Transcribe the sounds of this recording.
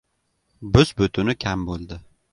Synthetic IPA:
bʊzbʊt̪ʰʊnɪkʲʰambolˠd̪ɪ

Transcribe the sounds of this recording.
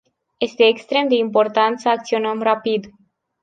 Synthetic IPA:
je̞st̪e̞ːkst̪ɾe̞md̪e̞impo̞rt̪ant̪səak̚t̪sio̞nəmrapid̪

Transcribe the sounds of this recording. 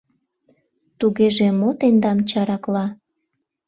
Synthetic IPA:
t̪uɣeʒemot̪end̪ɑmt͡ɕɑɾɑklɑ

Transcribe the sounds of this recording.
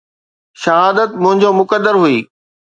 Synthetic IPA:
ʃɐɦaːd̪ət̪mʊ̃ɦɪ̃ɲ̆d͡ʑomʊkəd̪ːəɾɦuiː

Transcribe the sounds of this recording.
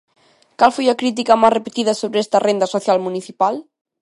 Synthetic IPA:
kalˠfojakɾit̪̬ikamarepet̪iðɐsoβɾɛst̪ɐrʔend̪ɐsoθjalmuniθipalˠ

